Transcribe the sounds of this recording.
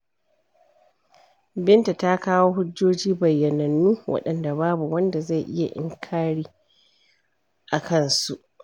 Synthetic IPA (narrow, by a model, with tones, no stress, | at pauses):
bɪ˦nta˨ta˦kaː˦woː˦ɦʊ˦d͡ʒːoː˦d͡ʒiː˦bɐ˨jːɐ˨nɐ˨nːuː˦wʔɐ̰˦ɗɐ˨nda˨baː˦bu˨wɐ˦nda˨za˦˨jʔɪ˦ja˨ʔɪ̰˦ŋkʰaː˦ɽiː˦ | ʔa˨kɐ˦˨nsu˦˨ʔ